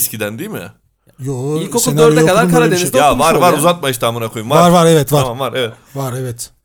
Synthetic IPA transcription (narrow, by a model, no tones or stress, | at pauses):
scid̪ænd̪ijmija̰ | joilʲkoskʰuenøɾd̪ɛokalaɾkʰaɾad̪enid̪avaɾvaɾuzat̪̚majiʃt̪ʰaːmɯnjakʰojumvavaɾvaɾevɛt̪vaɾamvaɾevɛ | vaɾevɛt̪